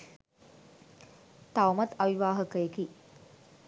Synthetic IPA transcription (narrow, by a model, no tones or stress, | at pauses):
t̪awumɐt̪aʋiʋaːɦəkəjeki